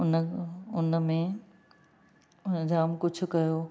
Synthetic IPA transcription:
ʊnʊnmẽ | ʊnd͡ʑaːmkʊd͡ʑʰʱʊ̆kɐjoː

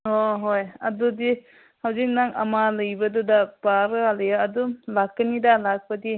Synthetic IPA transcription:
ɦoɦojɐdudi | hawzik̚naŋɐ̰malɐjbɐdudabaɾɯaljaɐdulak̚ːɐnidalak̚pɐdi

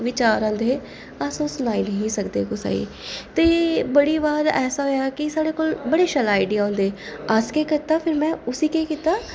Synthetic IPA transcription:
ʋɪt͡ʃaːɾãːd̪eː | aːsõːsʊnaːinəɦĩsəkd̪ḛːkʊsa̰ːḭː | t̪eːeːbəɽiːʋaːɾɛːsaːɦoːjakɪsaːɽeːkoːlbəɽeːʃəlaːɪɖɪjaːõːnd̪eːaskeːkɪt̪aːpʰɪɾmɛ̃ːʊsiːkeːkiːt̪aː

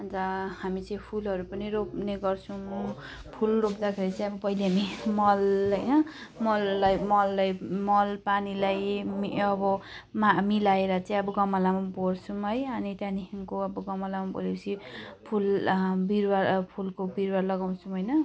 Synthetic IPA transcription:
ɦʌnd͡zʌhamit͡sʌĩpʰulʌɾupʌniɾopneɡʌrt͡sʰũ | pʰulropd̪akʰeɾit͡sʌĩʌbʌpʌileɦamimʌlɦʌjnʌmʌlːajmʌlːajmʌlpanilajmiʌbʌmamilaeɾʌt͡sʌ̃ĩʌbʌɡʌmʌlamabort͡sʰũɦʌjʌnit̪janikʰimkoʌbʌɡʌmʌlamabo̰lekt͡sʰipʰulbiɾwapʰulkobiɾwalʌɡaw̃t͡sʰũɦʌjnʌ

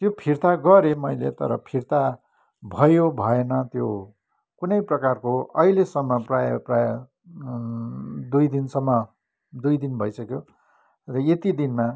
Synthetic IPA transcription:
t̪jopʰirt̪aɡʌɾemʌjlḛt̪ʌ̰ɾʌ̰pʰirt̪a | bʱʌjobʱʌenʌt̪jo | kunʌjprʌkarkoʌ̰ilesʌmːʌprajʌprajʌ | d̪ujd̪insʌmːʌ | d̪ujd̪inbʱʌjsʌkjo | rʌjet̪id̪inma

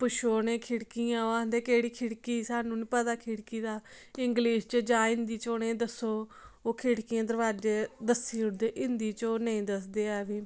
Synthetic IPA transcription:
pʊʃoːnẽːkʰɪɽkijãːoaːɦənd̪eːkeːɽiːkʰɪɽkiːsaːnũːniːpəd̪aːkʰɪɽkiːd̪aːɪŋɡliːʃt͡ʃd͡ʒaːɪ̃nd̪iːt͡ʃoːnẽːd̪əsːoːoːkʰɪɽkijãːd̪əɾʋaːd͡ʒeːd̪əsːiːʊɽd̪eːʔɪnd̪iːt͡ʃoːnəĩːd̪əsd̪eːɛːʋiː

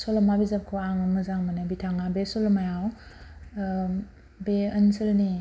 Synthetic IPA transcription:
solɐmabizap̚kʰoaŋɯŋɯzaŋmanabitʰaŋabesolɐmajaw | beɐnsɯlni

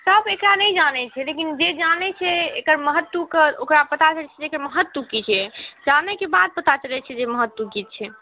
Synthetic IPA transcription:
səbekɾanəjd͡ʒanɛt͡ʃʰɛlekind͡ʒed͡ʒanɛt͡ʃʰɛekəɾməɦət̪ːukeokɾapət̪at͡ʃəlɛt͡ʃʰɛd͡ʒekəɾməɦət̪ːwukit͡ʃʰɛd͡ʒanɛkebad̪̚pət̪at͡ʃəlɛt͡ʃʰɛd͡ʒeməɦət̪ːukit̪̚t͡ʃʰɛ

